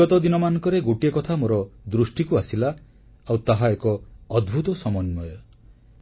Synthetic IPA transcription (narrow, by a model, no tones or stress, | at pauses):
ɔt̪ɔd̪inɔmanɔ̃ŋkɔɾeɡoʈiekɔt̪ʰamoɾɔd̪ɾusʈikuasilaː | wt̪aɦaekɔːd̪bʱut̪ɔsɔmɔnmɔjɔ